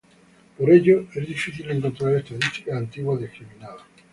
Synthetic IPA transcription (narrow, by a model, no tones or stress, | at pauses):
poɾeʎoezðifiθileŋkont̪ɾaɾest̪aðist̪i̥kaːnt̪iɣwaðeskɾimĩnaða